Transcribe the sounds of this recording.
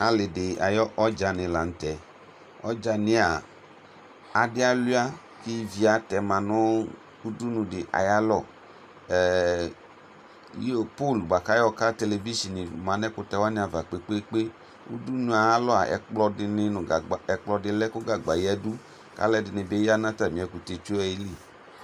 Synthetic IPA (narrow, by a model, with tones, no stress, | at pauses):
a˨lɪ˨dɪ˨a̰˨jɔ˦ʔɔ˦d͡ʒa˧nɪ̃˨la˨n̩˨tɛ˨ | ɔ̰˦d͡ʒa˧nɪ˨˦a˨ | a˨dɪ˦a˦lu˦a˦ | kɪ˦vi˨a˨tɛ˨mã˨nɔ˦ | u˦du˦nʊ̃˨dɪ˨ʔa̰˨ja˦lɔ˦˨ | jpo˦˨lba˨ka˦jɔ˦ka˦te˧le˨vi˦ʃi˨ni˨mã˨nɛ˦kʊ˦tɛ˧˦wa˦nɪ̃˨˦a˨va˨k͡pe˨k͡pe˦k͡pe˦ | ṵ˦du˦nũ˦a˨a˦lɔ˦a̰˨ʔɛ̰˨k͡plɔ˧dɪ˧nɪ˧nʊ̃˨a˨ɛ˨k͡plɔ˧dɪ˧lɛ˦kʊ˦ɡa˨ɡ͡ba˨jɛ˦du˦ | ka̰˦lɛ˦dɪ˨nɪ̃˨be˦ja˦nã˦ta˨mĩ˨ɛ˨ku˨te˨t͡ʃu˦ɛ˨ji˦li˦˨